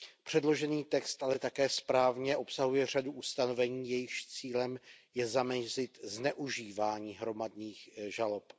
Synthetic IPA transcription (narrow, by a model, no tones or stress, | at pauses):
pr̝̥ɛdlo̞ʒɛniːt̪ɛkst̪ʔalɛt̪akɛːspɾaːvɲɛʔo̞psaɦujɛr̝aduʔust̪ano̞vɛɲiːjɛjɪxʃt͡siːlɛmjɛzamɛzɪt̪znɛʔuʒiːvaːɲiːɦɾo̞madniːxʒalop